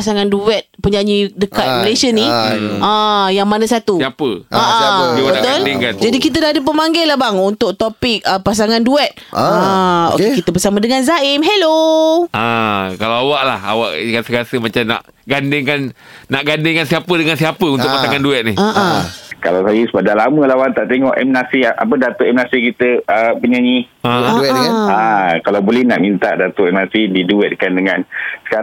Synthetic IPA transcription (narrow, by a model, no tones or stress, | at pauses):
pasaŋanduɛt̪̚pəɲaɲidəkat̪̚milesənĩãjaŋmanãsat̪usiapəaʔaaiwabət̪ʊldɪŋkand͡ʒadikit̪ədaadəp̬əmaŋɡɛlahbaŋunt̪ʊk̚t̪opɪk̚əpasaŋanduɛt̪̚ao̰kekit̪əbərsamãdəŋanzaɪmɦeloakalawawaʔla̰ha̰wa̰ʔkasəkasəmat͡ʃamna̰ʔ | ɡandɪŋkanː | aʔɡandɪŋkansiapədəŋansiapəunt̪ʊkpaaŋanduɛt̪̚nihaʔkalawsajəsəbadalamə̃lawant̪aʔt̪eŋɔʔɛmnasiʔa̰pədat̪oʔɛmnasikit̪əəpəɲaɲi | aduɛdəŋanakalawbolɛhnaʔmint̪aʔdat̪oʔɛmnasididuɛt̪̚kandəŋansə̥kaɾ